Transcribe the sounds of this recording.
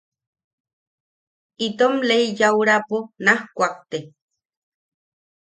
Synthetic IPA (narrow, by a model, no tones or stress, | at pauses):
it̪omleijawɾaponahkʷak̚t̪e